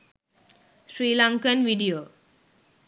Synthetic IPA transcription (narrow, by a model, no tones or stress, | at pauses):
sɾiːlãŋkənʋiɖioː